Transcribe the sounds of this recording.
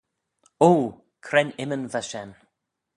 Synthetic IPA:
oː | kʰɾɛnɪmənvaʃɛn

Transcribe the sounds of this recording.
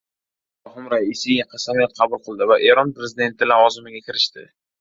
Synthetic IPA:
ahʊmɾaisɪjaqʰɑsamijat̪̚qʰɑbʊlˠqʰɨlˠd̪ɪvaʔe̞ɾɒnpɾezɪd̪e̞nt̪ʰɪlavɒzɪmɪɡʲakʲʰɪɾɪʃt̪ɪ̰

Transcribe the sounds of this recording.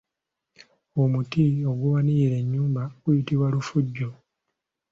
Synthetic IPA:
omutio̞ɡuβanijiɾe̞ɲːuːmbaɡujitiβwalufuɟːo

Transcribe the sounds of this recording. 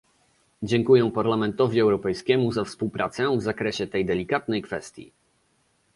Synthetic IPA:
d͡ʑɛŋkujɛ̃paɾlamɛnt̪ɔvʲiɛwɾɔpɛjskʲɛmuzafspuwpɾat̪sɛvzakɾɛɕɛt̪ɛjd̪ɛlʲikat̪nɛjkfɛst̪ʲjḭ

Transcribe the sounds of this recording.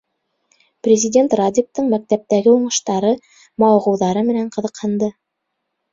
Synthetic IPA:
prʲɪzʲɪdʲe̞nt̪rad̪ʲik̚t̪ɤɴmæk̚t̪æp̚t̪æɡɘuɴɤ̆ʃt̪ɑɾɤ | mɑwʁɤ̆wðɑɾɤmɘ̆næɴqɤ̆ðɤ̆qhɤ̆nd̪ɤ

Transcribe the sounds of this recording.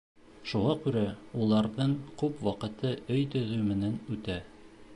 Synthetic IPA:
ʃuʁɑkʉɾæulˠɑɾðɤɴkʉpwɑqɤ̆t̪ɤɵjt̪ɵ̆ðʉmɘ̆nænʉt̪æ

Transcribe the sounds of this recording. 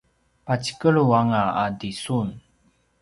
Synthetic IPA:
pat͡ɕi̥kəɭuaŋaadisun

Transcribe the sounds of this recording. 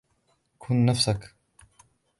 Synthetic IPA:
kʰʊnːafsak

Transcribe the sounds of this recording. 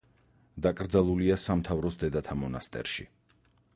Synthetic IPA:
d̪akʼɾd̪zalˠuliasamt̪ʰavɾɔsd̪ɛd̪at̪ʰamɔnast̪ʼɛ̰ɾʃḭ

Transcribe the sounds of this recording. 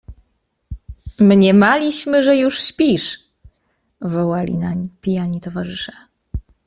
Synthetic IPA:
mɲɛmalʲiɕmɘʐɛjuʂɕpʲiʂ | vɔwalʲḭnaɲpʲijaɲit̪ɔvaʐɘʂɛ̥

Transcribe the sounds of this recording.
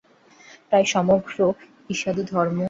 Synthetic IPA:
pɾajʃɔmoɡɾo | iʃad̪od̪ʱɔɾmo

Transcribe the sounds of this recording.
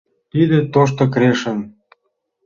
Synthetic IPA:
t̪id̪ĕt̪oʃ̬t̪ŏkɾeʃə̆n

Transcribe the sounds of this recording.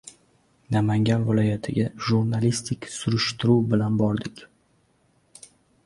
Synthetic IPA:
namaŋɡʲanvɪlˠɒjat̪ʰɪɡʲaʒuɾnalist̪ʰɪkʲsʊɾɪʃt̪ɪɾuwbɪlanbɒɾd̪ɪkʲ

